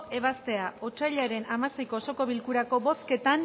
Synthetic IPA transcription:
e̞βast̪e̞aot͡ʃajʎaɾe̞namase̞jkoso̞ko̞βilkuɾako̞βo̞ske̞t̪an

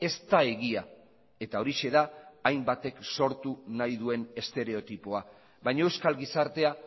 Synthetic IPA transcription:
e̞st̪ae̞ɣia | e̞t̪ao̞ɾiʃe̞ðaːjmbat̪e̞kso̞ɾt̪unajðue̞ne̞st̪e̞ɾe̞o̞t̪ipoa | βajɲaewskalɣisaɾt̪e̞a

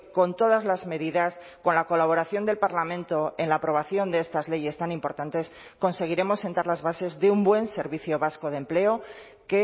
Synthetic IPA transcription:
ko̞nt̪o̞ðazlazme̞ðiðas | ko̞nlako̞laβ̞o̞ɾaθjo̞nd̪e̞lpaɾlamẽnt̪o̞e̞nlaːpɾo̞β̞aθjo̞nd̪e̞est̪azle̞je̞st̪anĩmpo̞ɾt̪ant̪e̞s | ko̞nse̞ɣ̞iɾe̞mo̞sːe̞nt̪aɾlazβase̞zðeumbwe̞nse̞ɾβiθjo̞βasko̞ð̞e̞mple̞o̞ | ke

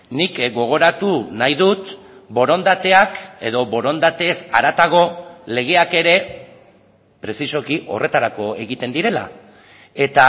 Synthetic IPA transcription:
nikɡo̞ɣ̞o̞ɾat̪unajðut̪ | bo̞ɾo̞nd̪at̪e̞ake̞ð̞o̞βo̞ɾo̞nd̪at̪e̞saɾat̪aɣo̞le̞ɣ̞e̞ake̞ɾe̞ | pɾe̞siso̞kiʔo̞̰re̞t̪aɾako̞e̞ɣit̪e̞nd̪iɾe̞la̰ | e̞t̪a

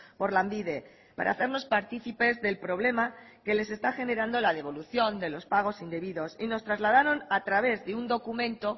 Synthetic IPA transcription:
po̞ɾlambiðe̞ | pa̰ɾa̰θe̞ɾno̞spaɾt̪iθipe̞zðe̞lpɾo̞β̞le̞ma | ke̞le̞s̬e̞st̪axe̞ne̞ɾand̪o̞lað̞e̞β̞o̞luθjo̞nd̪e̞lo̞spaɣ̞o̞sind̪e̞βiðo̞sino̞st̪ɾazlað̞aɾo̞nat̪ɾaβ̞e̞zðeund̪o̞kumẽ̞nt̪o̞

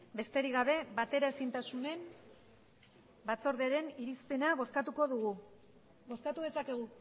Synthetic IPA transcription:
be̞st̪eɾiɣaβ̞e̞bat̪e̞ɾae̞sint̪asune̞n | bat͡so̞ɾðeɾe̞niɾispe̞naβo̞skat̪uko̞ðuɣ̞u | bo̞skat̪uð̞e̞sake̞ɣ̞u

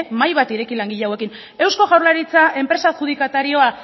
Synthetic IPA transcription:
majβat̪iɾe̞kilaŋɡiʎawe̞kin | e̞wsko̞ɣawɾlaɾit͡sae̞mpɾe̞saʝuðikat̪aɾio̞a

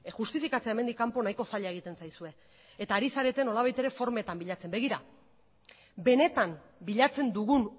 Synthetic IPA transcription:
xust̪ifikat͡seaeme̞nd̪ikːampo̞najko̞saʎeaeɣit̪e̞nsajsue̞ | et̪aːɾisaɾet̪eno̞laβajt̪e̞ɾe̞fo̞ɾme̞t̪ambiʎat͡se̞mbe̞ɣ̞iɾa | be̞ne̞t̪am | biʎat͡se̞nd̪uɣ̞un

